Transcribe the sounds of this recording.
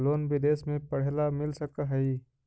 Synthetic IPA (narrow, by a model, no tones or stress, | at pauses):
loːnbɪd̪eːsmẽpɐɽ̤elamɪlsɐkaɦɐi